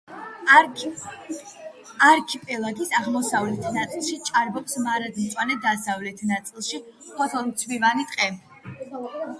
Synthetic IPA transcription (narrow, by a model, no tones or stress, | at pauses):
aɾkʰipʼɛlˠaɡisaʁmɔsavlɛt̪ʰnat̪sʼilˠʃit͡ʃʼaɾbɔpsmaɾad̪mt̪sʼwanɛd̪asavlɛt̪ʰnat̪sʼilˠʃi | pʰɔt̪ʰɔlmt̪sʰwivanit̪ʼqʼɛ